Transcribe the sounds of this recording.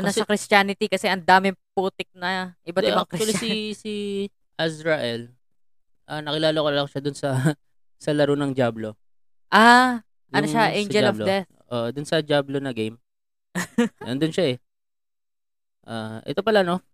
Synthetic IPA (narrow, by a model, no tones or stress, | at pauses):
ʊnɐsɐkɾɪstaːnɪt̪ikɐsɛʔɐnd̪aːmɪŋpuːt̪ɪk̚nɐʔɪbat̪ɪbaŋk̪̚ɾɪwɐliisi | ʔasɾɐʔɛl | ʔɐnɐkɪlaːlokolɐlɐkʃad̪ʊnsɐ | sɐlɐɾonɐŋd͡ʒjaːblo | ʔaː | ʔɐnoʃaʔẽjnd͡ʒɛllofd̪ɛθ | ʔo̰ʔd̪ʊnsɐd͡ʒablonɐɡejm | ɐ̰nd̪ʊnʃaɛ | ʔaːʔɛ̰t̪o̞pɐlano̞